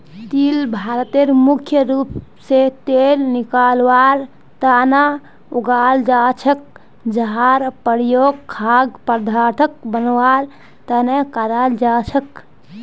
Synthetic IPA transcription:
t̪ilbʱaɾət̪eɾmukʰjəɾupset̪elnikalwaɾ | t̪ana | uɡald͡ʒat͡ʃʰək̚ | d͡ʒəɦaɾpəɾjoɡ̚kʰːaɡpəɾd̪ʱaʈʰək̚bənwaɾ | t̪ənɛkaɾald͡ʒat͡ʃʰək

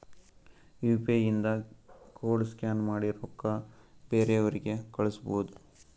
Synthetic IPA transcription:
juːpejind̪ɐkoːɭskʲaːnmaːɽiɾɔkːɐbe̞ːɾeɐʋɐɾiɡe̞kɐɭɐsboud̪u

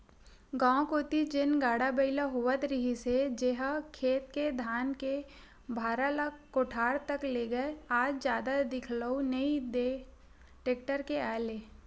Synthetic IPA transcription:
ɡãːkoːt̪id͡ʒɪnɡaːɽabəɪlaɦoːʋət̪ɾɪɦised͡ʒeɦakʰeːt̪ked̪ʱaːnke | bʱaːɾalakoːʈʰaːɽt̪ɐkleːɡəeaːd͡ʒzjaːd̪ad̪ɪkʰləunɐid̪eː | ʈeːk̚ʈəɾkeaːeleː

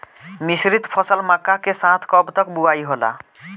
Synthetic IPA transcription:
misɾit̪pʰɔsɔlmakakesãt̪ʰkɔbt̪ɔkbuajɦola̰

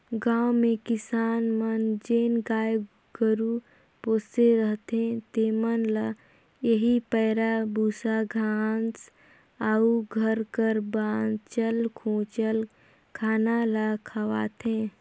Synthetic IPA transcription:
ɡãːwmẽkɪsaːnmənd͡ʒeːnɡaːj | ɡəɾu | poːseɾəɦt̪ɦẽt̪eːmənlə | jəɦipəːɾabuːsaɡʱans | aːuɡʱəɾkəɾbaːnt͡ʃəlkʰõːt͡ʃəl | kʰaːnaləkʰəwa̰ːt̪ẽː

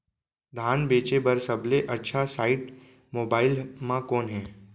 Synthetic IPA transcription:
d̪ʱaːnbeːt͡ʃebɐɾsɐbleʔɐtːʃʰasaːɪʈ | moːbaːɪlmãkɔːnɦɛ̃ː

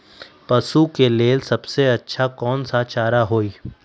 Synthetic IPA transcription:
pɐsukeleːlsɐbseɐtːʃʰakɔːnsat͡ʃaːɾaɦoːiː

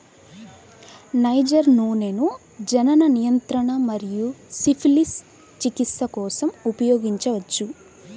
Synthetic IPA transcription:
nɐjd͡ʒɐɾnuːne̞ːnu | d͡ʒɐnɐnɐnijɐnt̪ɾɐɳɐmɐɾijusipʰilis | t͡ʃikit̪sɐkɔːsɐmupɐjoːɡiɲt͡ʃɐʋɐt͡ʃːu

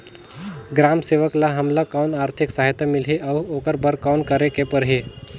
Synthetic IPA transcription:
ɡɾamseʋəklaɦəmlakawnaːɾt̪ʰɪksaɦit̪amɪlɦiʔaʋokəɾbəɾkawnkəɾekepəɾɦi

